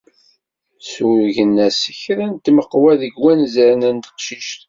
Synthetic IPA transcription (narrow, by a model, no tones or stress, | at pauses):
sʝənːæsəçɾænt̪məqːwæðəɡwænzəɾnænt̪ə̥qʃiʃt̪